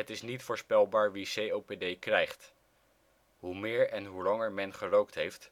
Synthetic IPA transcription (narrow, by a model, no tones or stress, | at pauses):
ɦətɪsnitfʊːɹspɛlˠbaːɹʋisejowpedejkrɛjχt | ɦumɪːɹɛnɦulɑŋəɹmɛnχərowktɦejft